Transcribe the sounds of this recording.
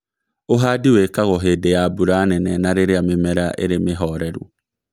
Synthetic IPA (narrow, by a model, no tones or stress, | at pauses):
oɦadiwekaɣoɦedejabuɾaːnɛnɛnaɾeɾeamemɛɾaʔḛɾemeɦɔɾɛɾṵ